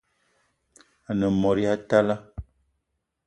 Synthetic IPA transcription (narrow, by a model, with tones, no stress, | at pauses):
a˨nə˨mɔ˨ɾi˦a˦ta˦la˦